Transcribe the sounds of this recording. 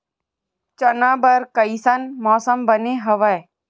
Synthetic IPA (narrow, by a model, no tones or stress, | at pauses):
t͡ʃənabɐɾkəisɐnmɔːsəmbəneɦɐʋəj